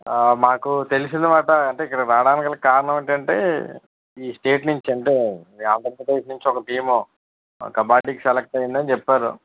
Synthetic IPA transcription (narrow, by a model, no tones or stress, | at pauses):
maːkut̪e̞lisind̪ɐmaːʈɐɐɳʈe̞ːikːɐɽɐɾaːɽaːnikɐlɐkkaːɾɐnɐmɐɳʈɐɳʈe̞̰ː | iːsʈe̞ːʈnuɲt͡ʃiɐɳʈe̞ːand̪ɐɾipɐd̪ejsnuɲt͡ʃiɔkɐʈiːmo | kɐbaːʈiksɛlek̚ʈɐjind̪ɐnit͡ʃɛpːaːɾṵ